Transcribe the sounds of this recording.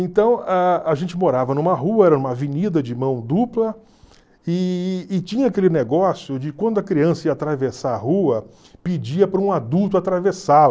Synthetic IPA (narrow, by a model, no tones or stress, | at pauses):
ẽnt̪ɐ̃w̃aaʒẽnt͡ʃɪmoɾavɐnũmɐɦuɐɛɾɐnũmɐaviɲid̪ɐd͡ʒɪmɐ̃w̃d̪uplɐ | ɪːt͡ʃĩɲɐakelɪneɡɔsjʊd͡ʒɪkwɐ̃nd̪ʊɐkɾiɐ̃sɐiɐat̪ɾavesaɐhuɐ | pɪd͡ʒiɐpɾɐũad̪uwt̪ʊat̪ɾavesal